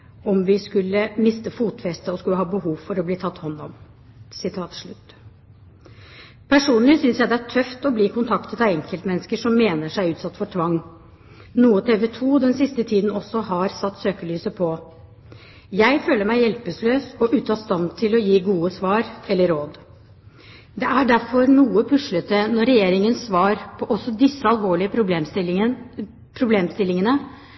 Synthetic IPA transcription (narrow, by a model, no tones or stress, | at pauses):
ɔmʋɪskʉlːəmɪst̪əfuːt̪fɛst̪əɔskʉlːəɦɑːbəhuːʋfɔɾɔbliːt̪ʰɑt̪ːhɔnːɔ̰m | sɪt̪ʰɑːt̪ʂɭʉt̪ː | pʰæʂuːnlɪsʏnsjæɪd̪ɛæʈʰœft̪ɔbliːkʰʊnt̪ʰɑkt̪ət̪ɑɛŋkəlt̪mɛnːəskəʂɔmːeːnəʂæɪʉːt̪sɑt̪ːfɔʈʰʋɑŋː | nuːət̪ʰeːʋɛt̪ʰuːd̪ɛnsɪst̪ət̪ʰiːd̪n̩ɔsːɔɦɑɾsɑt̪ːsøːkəlyːsəpʰɔ | jæɪføːləɾmæɪjɛlpəsløːsɔʔʉːt̪ʰɑːst̪ɑnt̪ʰɪlɔjiːɡuːəsʋɑːɾɛlːəɾoːd̪ | d̪ɛʔæɖæɾfɔɾnuːəpʰʉʂɭət̪ənɔɾɛjeːɾɪŋənsʋɑːɾpʰɔʔɔsːɔd̪ɪsːəɑlʋoːɭɪəpɾʊ | pʰɾʊbleːmst̪ɪlɪŋənə